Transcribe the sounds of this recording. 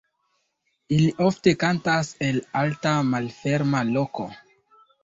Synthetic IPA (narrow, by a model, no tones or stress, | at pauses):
iliʔo̞fte̞kantase̞laltamalfe̞ɾmalo̞ko̞